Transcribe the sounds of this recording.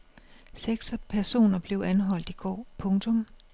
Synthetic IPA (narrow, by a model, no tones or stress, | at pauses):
seɡ̥sɐpʰæɐso̝̰ːnɐb̥le̝ʊʔænɦɒ̽l̰d̥iɡ̥ɒ̰ːpʰɔ̽ŋt͡sʰɔ̽m